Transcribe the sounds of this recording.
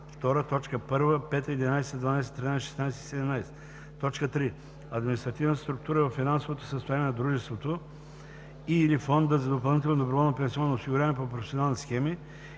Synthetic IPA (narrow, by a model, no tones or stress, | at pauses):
ft̪ɔɾət̪ɔt͡ʃkəpɤɾvəpɛt̪əɛd̪inajsɛd̪vanajsɛ̥t̪ɾinajsɛʃɛ̥snajsɛ̥isɛd̪ɛmnajsɛ̥ | t̪ɔt͡ʃkət̪ɾi | ɐd̪minist̪ɾɐt̪ivnt̪st̪ɾʊk̚t̪uɾəɛvɐfinansovot̪o̥səst̪ojanɛnɐd̪ɾuʒɛst̪vot̪o | ilifɔnd̪əzɐd̪opɐlˠnit̪ɛlˠnod̪obɾovɔlˠnopɛnsiɔnːoosiɡʊɾʲavəmɛpopɾofɛsionalˠnsxɛmi